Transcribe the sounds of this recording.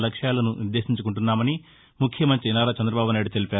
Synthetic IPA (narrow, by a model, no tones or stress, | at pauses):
lɐkʂjaːlɐnunud̪ːe̞ːʃiɲt͡ʃukuɳʈunːaːmɐni | mukʰjɐmɐnt̪ɾinaːɾaːt͡ʃɛnd̪ɾɐbaːbunaːjiɽut̪e̞lipaː